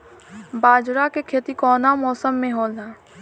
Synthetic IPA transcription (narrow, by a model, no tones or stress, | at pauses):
baːd͡ʒɾakekʰeːt̪ikɔːnamɔːsəmːẽɦoːld̪aː